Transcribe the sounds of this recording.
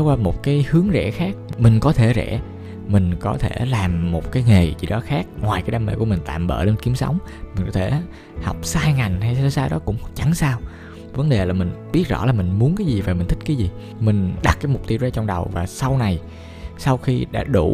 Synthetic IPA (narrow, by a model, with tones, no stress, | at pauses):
wkwaː˧mo˨˩t̚kaː˨˦jhɨ˨˦əŋzɛ̰˧˥xaː˦˥k̚mï˨˩ŋ̟kɔ˨˦t̪ʰe˧˩zɛ̰˧˩˥ | mï˨˩ŋ̟kɔ˨˦t̪ʰe˧˩laː˨˩mːo˨˩t̚kaː˨˦jŋe˨˩t͡ɕḭ˧˩ɗɔ˨˦xaː˦˥k̚ŋwaː˨˩jkaː˨˦jɗaː˧˩mḛ˧˨ku˧˩əmï˨˩ŋ̟t̪a̰ː˧˨mɓə̰ː˧˨le˧nki˨˦əmsə̰˨˦wŋ͡m | mï˨˩ŋ̟kɔ˨˦t̪ʰe˧˩ | ha˨˩wk͡p̚saː˧jŋa˨˩jŋ̟ha˧jsa˧saː˧jɗɔ˨˦kʊ̰˧˥ŋ͡mh̚t͡ɕa˨˦ŋsaː˧w | və˨˦nɗe˨˩laː˨˩mï˨˩ŋ̟ɓi˦˥ət̚zɔ̰˧˥laː˨˩mï˨˩ŋ̟mu˨˦ənkaː˨˦jzi˨˩vaː˨˩mï̟˨˩t̪ʰi̟˦˥kːaː˨˦jzi˨˩ | mï˨˩ŋ̟ɗa˨˩t̚kaː˨˦jmʊ˨˩k͡p̚t̪i˧əwzaː˧t͡ɕɔ˧wŋ͡mɗə˨˩wvaː˨˩sa˧wna˨˩j | sa˧wxi˧ɗa̰ː˧˥ɗu˧˩